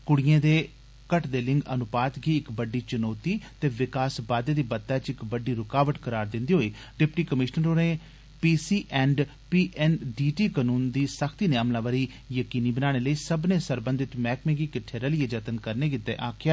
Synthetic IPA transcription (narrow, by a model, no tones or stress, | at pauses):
kʊɽɪjẽːd̪eː | kəʈd̪eːlɪ̃ŋɡənʊpaːt̪ɡiːɪkbəɖiːt͡ʃənoːt̪iːt̪eːʋɪkaːsbaːd̪eːd̪iːbət̪ːɛːt͡ʃɪkbəɖiːɾʊkaːʋəʈkəɾaːɾd̪ɪ̃nd̪iːɦoːiː | ɖɪpʈiːkəmɪʃnəɾoːneː | piːsiːʔɛ̃ːɳɖ | piːʔɛːnɖiːʈiːkənuːnd̪iːsəkʰt̪iːneəːmlãːʋəɾiː | jəkiːniːbənaːɽ̃eːləiːsəbnẽːsəɾbə̃nd̪ɪt̪mɛːkmẽːɡiːkɪʈʰeːɾəlieːd͡ʒət̪ənkəɾneːkɪt̪ːeːʔaːkʰjaː